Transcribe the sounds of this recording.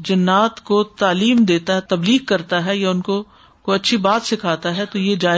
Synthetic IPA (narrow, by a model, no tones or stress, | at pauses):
d͡ʒɐnːaːt̪kot̪aːliːmd̪eːt̪aɦɛt̪ɐbliːɡ̚kɐɾt̪aɦɛjaʊnko | koɐtːʃʰibaːt̪sɪkʰaːt̪aɦɛt̪ojeːd͡ʒaːɪ